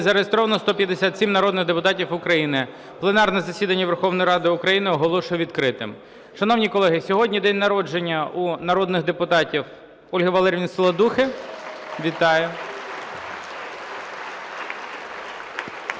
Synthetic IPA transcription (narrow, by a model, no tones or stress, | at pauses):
zɐɾeɦest̪ɾɔʋɐnɔst̪ɔpʲjɐd̪esʲat̪ʲsʲimnɐɾɔd̪nɪɣd̪epʊt̪ɑtʲiwʊkɾɐjinɪ | plˠenɑrnɛzɐsʲid̪ɐnʲːɐʋerxɔʋnɔjiɾɑd̪ɪʊkɾɐjinɪɔɦɔlˠɔʃʊjɛʋʲid̪kɾɪt̪ɪm | ʃɐnɔwnʲikɔlˠɛɦɪsʲɔɦɔdʲnʲid̪ɛnʲnɐɾɔd͡ʒenʲːɐunɐɾɔd̪nɪxd̪epʊt̪ɑtʲiw | ɔlʲɦɐʋɐlˠɛɾʲʋʲinslˠɐd̪uxɪ | ʋʲit̪ɑjʊ